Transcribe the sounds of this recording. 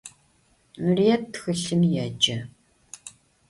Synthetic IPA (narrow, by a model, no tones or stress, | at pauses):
mrijɛp̚txɨɬɨmjɛd͡ʒɐ